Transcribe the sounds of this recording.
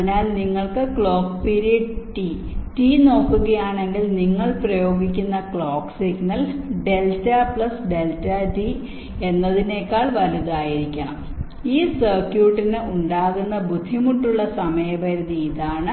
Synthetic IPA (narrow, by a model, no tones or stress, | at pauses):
naːlniŋːɐɭkɨkɭo̞ːkpiɾiʈi | ʈiːno̞ːkːuɣɐjaːɳe̞ŋɡilniŋːɐɭprɐjo̞ːɡikʲːunːɐkɭoːksiɡnɐlɖe̞ltɐpɭɐsɖe̞ltɐʈi | e̞nːɐðine̞ːkːaːɭʋɐluðaːjiɾikʲːɐɳɐ̰m | iːsɐrkjuːʈːinɨuɳɖaːɣunːɐbud̪ʱːimuʈːuɭːɐsɐmɐjɐbɐɾuðiːðaːɳɨ